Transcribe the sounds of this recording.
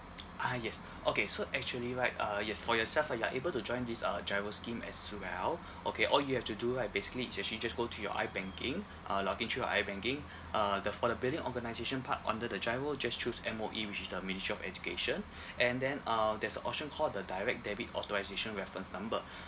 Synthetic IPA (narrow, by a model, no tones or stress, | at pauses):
ʔajɛs | ʔokesoʔɛk̚t͡ʃuəliɹaɪt̚ʌjɛsfɔjɔsɛlfajuaʔebəltud͡ʒɔ̃ɪ̃ndisʌ̰d͡ʒaɪvəskĩmɛ̰swɛl | ʔokʰeʔɔljuhɛftuduɹaɪt̚besi̥kəliːsɛk̚ʃlid͡ʒasɡotʰujɔ̰ʔa̰ɪbɛ̃ŋkʰɪ̃ŋ | ʔʌlɔkĩŋtʰujɔ̰ʔa̰ɪbɛ̃ŋkɪ̃ŋ | ʔʌdəfɔdəbildĩŋʔɔɡənaɪzeʃə̃npʰa̰tɔ̰̃ndədəd͡ʒaɪvəd͡ʒast͡ʃusɛ̃moʔiwit͡ʃisdəministɹiɔfɛ̰d͡ʒukeʃə̃n | ʔɛ̃ndɛ̃nʌdɛsənʔɔ̰p̚ʃə̃nkʰɔldədaɪɹɛk̚dɛbitɔ̰tɔɹaɪzeʃə̃nɹɛfɹə̃nsnãmbə